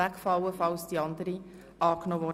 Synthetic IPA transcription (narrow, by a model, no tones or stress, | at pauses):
ækfɑwəfɑlsd̥iɑndəɾi | ɑːknoːvɔ